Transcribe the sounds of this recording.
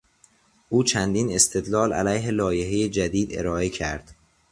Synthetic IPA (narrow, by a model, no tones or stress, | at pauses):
ʔuːt͡ʃʰænd̪iːne̞st̪ʰe̞d̪lɒːlæ̰læjɦelɒːje̞ɦejed͡ʒæd̪iːd̪eɾɒːe̞cʰæɾd̪̥